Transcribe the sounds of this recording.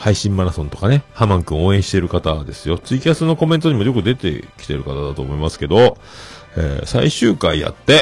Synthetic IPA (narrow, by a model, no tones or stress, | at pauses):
haiɕĩmːaɾasõ̞nt̪o̞̥kane̞hamãŋkɯ̟̃oːẽ̞ɕi̥t̪e̞ɾɯ̟kat̪ad̪e̞sɨjo̞t͡sɨikʲiasɨno̞ko̞ment̪o̞ɲ̟imo̞jo̞kɯ̟d̪e̞t̪e̞̰kʲi̥t̪e̞ɾɯ̟kat̪ad̪at̪oːmo̞imasɨ̥ke̞d̪o̞ | ḛːsaiɕɨːkaija̰t̪ːe̞